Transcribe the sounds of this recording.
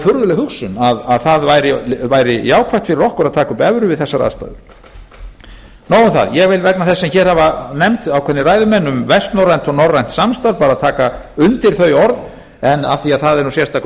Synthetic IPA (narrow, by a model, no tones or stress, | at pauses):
fʏɾðʏlɛɣhʏksʏnaðaðθaðvajɾɪvajɾɪjaːwkʰvaht̪fɪɾɪrɔhkʏɾaðt̪ʰaːkaʏmpɛvɾʏvɪðθɛsːaɾa̰ðst̪a̰jðʏ̰ɾ | noːwʏmθa̰ðjɛɣvɪlvɛtknaθɛsːɛmçɛːɾhavanɛmt̪awkʰɛɾnːɪraːjðʏmɛnːʏmvɛst̪nɔɾrːajn̥t̪ɔɣnɔrajn̥t̪samst̪aɾpaːɾaðt̪ʰaːka | ʏnt̪ɪɾ̥θœːɥjɔɾð | ɛna̰θiaðθaðɛɾnusjɛst̪ak